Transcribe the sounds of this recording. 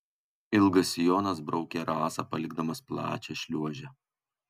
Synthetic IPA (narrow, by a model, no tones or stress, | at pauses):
ɪlˠɡɐsʲjoːnɐs̬bɾɒʊkʲeɾɑːsɐpɐlʲɪɡ̚d̪ɐmɐsplˠɑ̰ːt͡ʃʲɛʃʲlʲuɔʒʲɛ